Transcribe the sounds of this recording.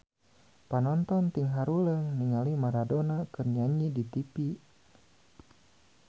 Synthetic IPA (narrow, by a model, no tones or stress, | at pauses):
panɔnt̪ɔnt̪iŋɦaɾuləŋniŋalimaɾadonakɨrɲaɲidit̪ipi